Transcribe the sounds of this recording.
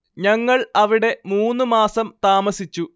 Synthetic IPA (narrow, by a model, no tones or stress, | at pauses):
ɲɐŋːɐɭɐʋiɽe̞muːnːɨmaːsɐmt̪aːmɐsit͡ɕːu